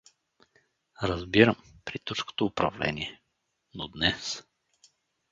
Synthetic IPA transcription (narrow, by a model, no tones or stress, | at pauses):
ɾəzbiɾəmpɾit̪usko̥t̪oːpɾɐ̰vlɛ̰niɛ | nod̪nɛs